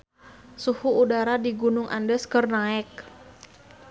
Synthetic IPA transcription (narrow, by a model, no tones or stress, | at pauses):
suhuːdaɾadiɡunʊŋʔa̰ndəskərnaɛk̚